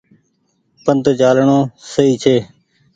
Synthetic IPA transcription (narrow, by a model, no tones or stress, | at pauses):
pənt̪t͡ʃaːlɳõːsəiːt͡ʃʰeː